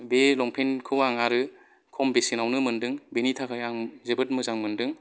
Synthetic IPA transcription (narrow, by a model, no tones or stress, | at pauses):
belɔŋpʰenkʰɯwaŋaɾɯ | kʰɔmbesinawnɯmɯndɯŋbenitʰakʰajaŋzebɯt̚mɯzaŋmɯndɯŋ